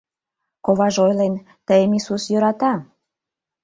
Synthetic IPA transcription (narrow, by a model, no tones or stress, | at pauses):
koβɑʒojlen | t̪əjemisusjøɾɑt̪ɑ